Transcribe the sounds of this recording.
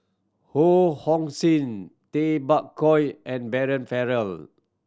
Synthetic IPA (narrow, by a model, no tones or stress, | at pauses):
hohɔ̃ŋsĩntebakkɔjʔɛ̃nbɛɹə̃nfɛɹəl